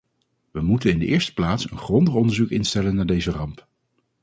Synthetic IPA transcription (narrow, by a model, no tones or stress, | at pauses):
ʋəmutənɪndəʔɪːɹstə̥plaːtsənχrɔndəχɔndəɹzukɪnstɛlənːaːɹdejzərɑmp